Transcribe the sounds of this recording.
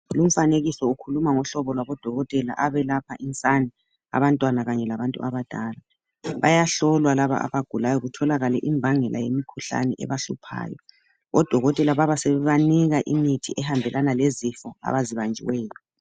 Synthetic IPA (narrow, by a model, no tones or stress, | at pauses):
lum̩faneɣisɔukʰulumaŋɔɬɔβɔlwaβɔd̥ʱɔɣɔtʼɛla̰ʔaβɛlapʰaʔint͡sʼani | a̰βantʼwanaɣaɲɛlaβantʼṵaβad̥ʱaːla | βajaɬɔlwalaβa̰a̰βaɡ̥ʱulajɔɣutʰɔlaɣalɛʔimbʱaŋɛlʔa̰jemikʰuɬa̰nɛʔɛ̰βaɬupʰa̰ːjɔ̰ | ɔd̥ʱɔɣɔtʼɛlaβaβasɛβɛβaniɣaʔimitʰiʔɛhambʱɛlʔanalezifɔa̰βaziβand͡ʒʱḭwɛːlɔ